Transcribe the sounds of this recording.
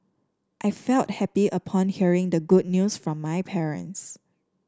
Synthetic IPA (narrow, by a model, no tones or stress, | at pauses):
ʔaɪfɛlt̚hɛpiʔəpʰɔ̃nhiəɹɪ̃ŋdəɡud̚njusfɹɔ̃mːaɪpʰɛɹə̰̃ns